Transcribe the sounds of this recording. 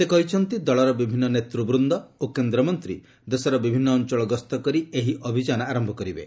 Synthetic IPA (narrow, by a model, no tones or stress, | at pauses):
sekɔɦit͡ʃʰɔnt̪id̪ɔɭɔɾɔbibʱinːɔnet̪ɾubɾund̪ɔokend̪ɾɔmɔnt̪ɾḭ | d̪esɔɾɔbibʱinːɔːnt͡ʃɔɭɔɡɔst̪ɔkɔɾieɦiʔɔbʱid͡ʒanɔaɾɔmbʱɔkɔɾibḛ